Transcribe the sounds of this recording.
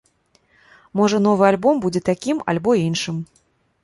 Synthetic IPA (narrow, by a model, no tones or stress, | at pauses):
mɔʐɐnɔvɨalʲbɔmbud͡zʲɛt̪akʲimɐ̰lʲbɔinʂɨm